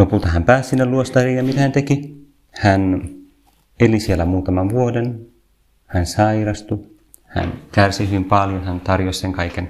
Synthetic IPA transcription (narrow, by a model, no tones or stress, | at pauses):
lopult̪ɑɦæmpæːssinːeluost̪ɑriːnjɑmit̪æhænt̪eki | hæn | elisielːæmuːt̪ɑmɑnʋuoden | hænsɑirɑst̪u | hæ̰nkærsihyʋimpɑljonhænt̪ɑrjosʲseŋkɑiken